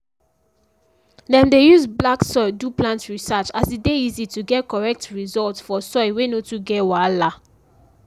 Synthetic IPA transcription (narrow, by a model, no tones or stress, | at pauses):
dɛ̃ndejuzblaksɔɪduplãntɹisat͡ʃasdideizituɡɛtkɔɹɛk̚tɹizɔltsfɔsɔɪwenotuɡɛwala